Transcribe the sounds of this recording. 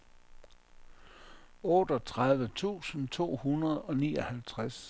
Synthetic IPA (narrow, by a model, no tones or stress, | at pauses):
ɔ̽ːd̥ɒ̽t͡sʰʁað̞ˠʋət͡sʰṵːsn̩t͡sʰo̝̰ːhunɐðˠɒ̽nḭːɒ̽hælt͡sʰʁas